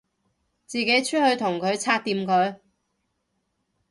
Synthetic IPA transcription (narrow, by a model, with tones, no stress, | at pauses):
t͡siː˨ke˨˥jt͡ʃʰɵ˥t̚hɵ˧ɥt̪ʰʊ˨˩ŋkʰɵ˨˧ɥt͡sʰaː˧t̚t̪iː˨˧mkʰɵ˨˧ɥ